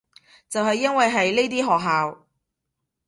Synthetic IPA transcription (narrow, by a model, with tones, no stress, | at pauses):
t͡sɐ˨wɦɐ˨jːɐ˥nwɐ˨jɦɐ˨jle˥jt̪̬iː˥ɦɔː˨k̚ɦaː˨w